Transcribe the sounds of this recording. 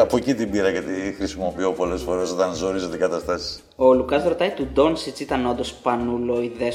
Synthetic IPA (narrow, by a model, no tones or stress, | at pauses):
ɐpo̞cit̪ibiɾɐjet̪ixɾisimo̞pio̞po̞le̞sfo̞ɾe̞so̞t̪ɐnzo̞ɾizot̪ikɐt̪ɐst̪ɐsi̥s | oːlukɐsɾot̪ɐit̪ud̪o̞nsit͡sit̪ɐno̞nd̪ospɐnuloiðe